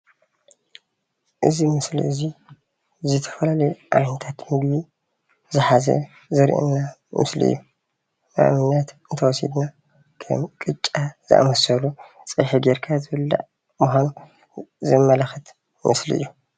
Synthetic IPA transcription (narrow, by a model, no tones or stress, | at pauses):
ʔɨzimɨslḭʔɨzi | zɨt̪ʰɐ̥fɐlalɐjʔa̰lnt̪ʰat̪mɨɡbi | zɨħazɐ̰ | zɐɾʔɨ̰nːamɨslḭʔɨ̰jːu | na̰ʔmɨnat̪ɨnt̪ʰɐwɔsḭd̪na | kʰɐ̰mkʼɨt͡ʃʼːaz̥ɨ̰ʔa̰mɐsɐlu | t͡sʼɨħiɡeɾkʰazɨbɨlːa̰ʔ | muxʷanu | zɨmːɐlaxɨt̪ | mɨslḭɨ̰jːu